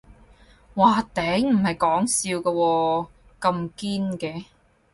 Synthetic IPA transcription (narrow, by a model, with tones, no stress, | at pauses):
waː˨˩t̪ɛː˨˥ŋm̩˨˩hɐ˨˩jkɔː˨˥ŋsiː˧wkɐː˧wɔː˧ | kɐ˧mkiː˥nkɛː˧